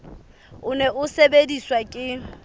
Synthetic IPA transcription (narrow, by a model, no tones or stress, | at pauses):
ʊnɛʔʊsebediswakʼɪ